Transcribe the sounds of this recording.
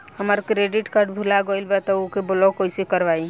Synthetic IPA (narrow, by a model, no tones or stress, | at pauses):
həməɾkɾeɖiʈkəɾɖbʱulaɡəjlbɛt̪ɔokebolɔkojsekəɾbai